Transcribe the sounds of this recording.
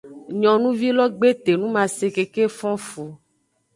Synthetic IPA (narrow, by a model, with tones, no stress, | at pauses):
ɲɔ̃˨nũ˦vi˦lɔ˦ɡ͡be˦t̪e˨nũ˦mã˨se˨ke˨ke˦fɔ̃˦fu˨